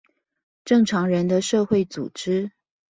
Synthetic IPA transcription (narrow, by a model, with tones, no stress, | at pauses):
ʈ͡ʂɤ˥˨ŋʈ͡ʂʰɑ˧˥ŋɻə˧˦nd̪ə˧ʂɤ˥˧xwe˥˩ɪt͡sṵ˨˩ʈ͡ʂɻ̩˥